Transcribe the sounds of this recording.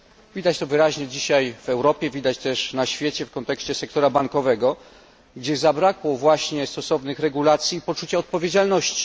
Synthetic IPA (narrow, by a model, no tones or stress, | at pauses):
vʲid̪at͡ɕt̪ɔvɘɾaʑɲɛd͡ʑiɕajv̥ɛwɾɔpʲjɛvʲid̪at͡ɕt̪ɛʂnaɕfʲjɛt͡ɕɛfkɔnt̪ɛkɕt͡ɕɛsɛk̚t̪ɔɾabaŋkɔvɛɡɔ | ɡd͡ʑɛzabɾakwɔvwaɕɲɛst̪ɔsɔvnɘxɾɛɡulat̪sʲjiːpɔt͡ʂut͡ɕaɔt̪̚pɔvʲjed͡ʑalnɔɕt͡ɕi̥